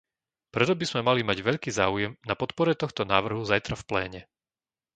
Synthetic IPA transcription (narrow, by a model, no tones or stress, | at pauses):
pɾɛt̪ɔbizmɛmalimaɟʋɛʎkiːzaːujɛmnapɔt̪pɔɾɛt̪ɔxt̪ɔna̰ːʋr̩ɦuzajt̪ɾafplɛːɲɛ